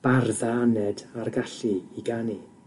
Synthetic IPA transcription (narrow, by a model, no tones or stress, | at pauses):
b̥arðaanɛdarɡaɬiiɡani